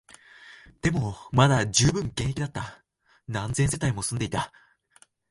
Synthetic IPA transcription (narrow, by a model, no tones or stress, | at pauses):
d̪̥e̞mo̞mad̪aʑɨːbɯ̟̃ŋɡẽɰ̃ekʲid̪at̪ːa | nãnd͡zẽ̞ɰse̞t̪aimo̞sɨ̃nd̪e̞it̪a